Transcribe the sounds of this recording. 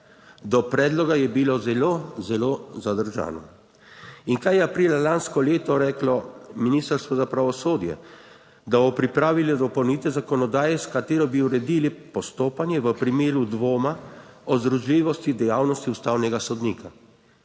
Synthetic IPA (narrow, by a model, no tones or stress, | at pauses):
d̪ɔpɾɛːd̪lɔɡajɛbilozɛlozɛloːzad̪əɾʒa̰ːnɔ | iŋkajɛapɾiːlalanskɔleːt̪ɔɾɛːklɔminiːst̪əɾst̪ʋɔzapɾaʋɔsoːd̪jɛ̰ | d̪abɔpɾipɾaːʋilɛd̪ɔpɔwniːt̪ɛzakɔnɔd̪aːjɛskat̪eːɾɔbiuɾɛd̪iːlipɔst̪oːpanjɛʋəpɾimeːɾud̪ʋoːmaɔzd̪ɾuʒliːʋɔst̪id̪ɛjaːwnɔst̪iust̪aːwnɛɡasɔd̪niːkʰa